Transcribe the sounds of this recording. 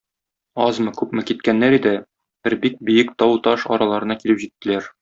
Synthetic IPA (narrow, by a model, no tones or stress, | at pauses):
ɒzmɤkʉpmɘkit̪kænːæɾid̪ɘ | b̥ɘɾbik̚bɵ̆jɘkt̪ɒwt̪ɒʃɒ̰ɾɑlˠɑɾɤ̆nɑkilɘpʑit̪ːɘ̆læɾ